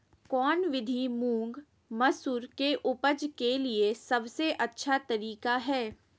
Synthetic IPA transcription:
kɔːnʋɪd̪ʱimũːŋɡ | mɐsuɾkeʔʊpəd͡ʒkeliesɐbseʔɐtːʃʰat̪ɐɾiːkaɦɛː

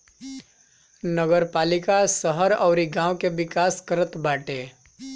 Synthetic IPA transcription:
nəɡəɾpaːlɪkasəɦəɾɔːɾiɡãːwkeʋɪkaːskəɾət̪baːʈeː

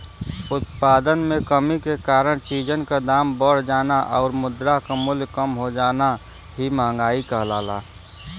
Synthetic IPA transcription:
ʊt̪̚paːd̪ənmẽkəmikekaːɾəɽ̃t͡ʃiːd͡ʒənkad̪aːmbəɽ̤d͡ʒaːnaʔɔːɾmʊd̪ɾakamʊljkəmɦod͡ʒaːna | ɦimãːŋɡaːikəɦlaːla̰ː

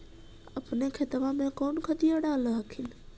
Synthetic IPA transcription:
əpnekʰet̪əʋamẽkoːnkʰəd̪ijoɽaːləɦəkʰɪn

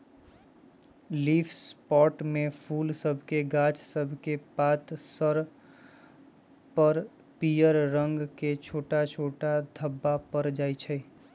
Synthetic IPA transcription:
liːfʰspɔːʈmẽpʰuːlsəbʱkeɡãːt͡ʃsəbʱkepaːt̪səɾ | pəɾ | pijəɾɾə̃ŋɡket͡ʃʰoːʈat͡ʃʰoːʈad̪ʱəbːapəɾd͡ʒaːit͡ʃʰɛ

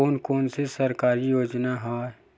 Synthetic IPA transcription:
oːnkoːnsesɐɾkaːɾijoːd͡ʒnaɦaː

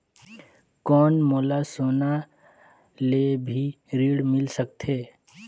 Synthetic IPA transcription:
kɔːnmoːlasoːna | lebʱi | ɾiːɽmɪlsək̚t̪ɦeː

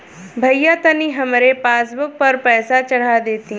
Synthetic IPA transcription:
bʱɐjjat̪ɐniɦɐmɾepaːsbʊk̚pɐɾpɛːsat͡ʃɐɽ̤ad̪eːt̪i

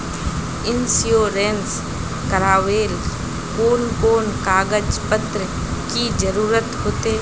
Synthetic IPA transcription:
ɪnsijoːɾẽːns | kəɾaːʋeːl | koːnkoːnkaːɡəd͡ʒpət̪ɾə | kid͡ʒəɾuːɾət̪ɦoːt̪eː

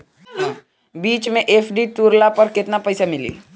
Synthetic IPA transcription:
biːt͡ʃmẽʔeːpʰɖit̪uːɾlapɐɾkɪt̪napəɪsamɪlḭː

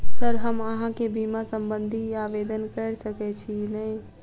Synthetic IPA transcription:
səɾɦəməɦãkebimasəmbənd̪ʱiabed̪ənkəɾsəkɛt͡ʃʰinəj

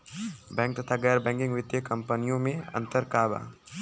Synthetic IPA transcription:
bɛ̃ːŋk̚t̪ɐt̪ʰaɡɛjɾbɛ̃ŋkɪ̃ŋɡʋɪt̪jəkɐmpənijõmẽɐ̰̃nt̪əɾkaːba̰

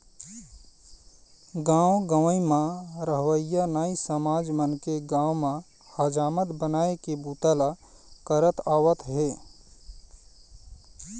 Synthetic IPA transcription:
ɡãːwɡəʋəimãɾəɦʋəjanaːisəmaːd͡ʒmənkeɡãːwmã | had͡ʒaːmət̪bənaːekebuːt̪əla | kəɾət̪aːwət̪ɦɛː

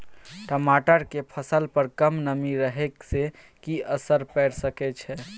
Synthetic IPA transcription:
ʈəmaʈəɾkepʰəsəlpəɾkəmnəmiɾəɦɛkse | kiəsəɾpɛɽsəkɛt͡ʃʰɛ

